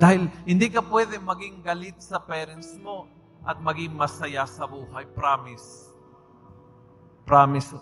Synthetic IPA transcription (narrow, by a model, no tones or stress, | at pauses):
d̪aːhɪlhɪnd̪iːkɐpwɛd̪ɛmɐɡɪŋɡɐlɪt̪̚sɐpɛːɾɛnsmo̞ | ʔɐt̪̚mɐɡɪŋmɐsɐjasɐbuːhɐjpɾaːmɪs | pɾamɪs